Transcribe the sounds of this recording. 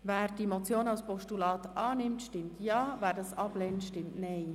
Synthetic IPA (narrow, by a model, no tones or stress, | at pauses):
vɛːɾd̥imot͡sjoːnalspɔʃtulɑːtʔɑːnɪmtʃtɪmtjɑːvæːɾdɑsɑb̥lɛntʃtɪmtnɛɪ